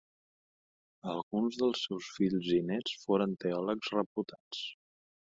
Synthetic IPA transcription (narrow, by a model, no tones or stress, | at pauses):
əlˠɣunzðəlˠsɛwsfiʎzinɛt͡sfoɾənt̪eɔləkz̥rəput̪at͡s